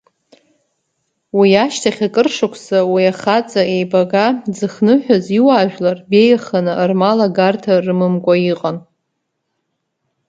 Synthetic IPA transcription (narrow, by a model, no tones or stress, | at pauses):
wiaʃtʰaχʲakʼɨrʂɨkʷʰsawiaχat͡sʼae̞jbaɡad͡zɨχnɨħʷᶣaziwaːʒᶣlarbe̞jaχanɨʔrmalaɡartʰarɨmɨmkʷʼaiqʼan